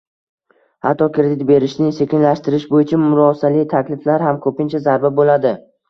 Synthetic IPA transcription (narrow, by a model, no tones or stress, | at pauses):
ha̰t̪ʰːɒkʰʲɾed̪ɪt̪be̞ɾɪʃnɪse̞kʲɪnlaʃt̪ɪɾɪʃbojɪt͡ʃʰamʊɾɒsalɪt̪ʰakʲlɪflaɾhamkʰɵpɪnt͡ʃʰazaɾbabolad̪ɪ